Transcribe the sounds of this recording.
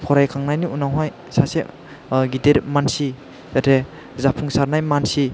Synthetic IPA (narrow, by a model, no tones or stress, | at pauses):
kʰɔɾajkʰaŋnajniunawɦaj | sase | ɡiteɾmansi | zatʰe | zapʰuŋsaɾnajmansi